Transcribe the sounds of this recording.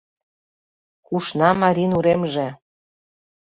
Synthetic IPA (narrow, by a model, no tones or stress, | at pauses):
kuʃnɑmɑɾʲinuɾemʒĕ